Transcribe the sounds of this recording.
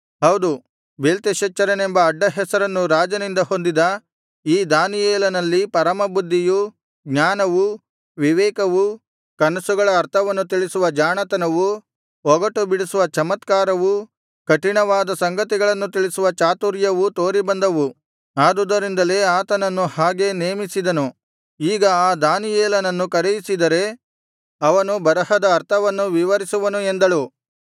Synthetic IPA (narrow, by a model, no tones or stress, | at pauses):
hɐwd̪u | belt̪iʃɐt͡ʃːɐɾɐnembɐːɖːɐɦɛsɐɾɐnːuɾaːd͡ʒɐnind̪ɐho̞nd̪id̪ɐ | iːd̪aːnijɛːlɐnɐlːipɐɾɐmɐbud̪ːiju | ɡɲaːnɐʋu | ʋiʋɛːkɐʋu | kɐnɐsuɡɐɭɐːɾt̪ʰɐʋɐnːut̪̬iɭisuʋɐd͡ʒaːnɐt̪ɐnɐʋu | ɔɡɐʈubiɽisuʋɐt͡ʃɐmɐt̪kaːɾɐʋu | kɐʈiɳɐʋaːd̪ɐsɐŋɡɐt̪iɡɐɭɐnːut̪iɭisuʋɐt͡ʃaːt̪uɾjɐʋut̪o̞ːɾibɐnd̪ɐʋu | aːd̪ud̪ɐɾind̪ɐle̞aːt̪ɐnɐnːuhaːɡe̞neːmisid̪ɐnu | iːɡɐaːd̪aːnijɛːlɐnɐnːukɐɾejisid̪ɐɾe̞ | ɐʋɐnubɐɾɐhɐd̪ɐːɾt̪ʰɐʋɐnːuʋiʋɐɾisuʋɐnuend̪ɐɭu